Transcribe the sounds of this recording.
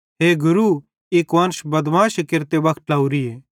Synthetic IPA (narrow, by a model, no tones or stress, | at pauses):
ɦeːɡʊɾu | ɪkʋɐnʃbɐd̪ʋãːʃkɪɾt̪eʋɐkʰʈlaːuɾieː